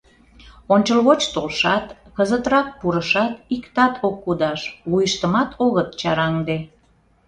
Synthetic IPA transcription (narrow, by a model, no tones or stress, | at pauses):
onʲt͡ɕəlɣot͡ɕt̪olʃɑt̪kəzət̪ɾɑk̚puɾəʃɑt̪ikt̪ɑt̪ʰokːud̪ɑʃβujəʃt̪əmɑt̪ʰoɣət̪t͡ɕɑɾɑŋd̪e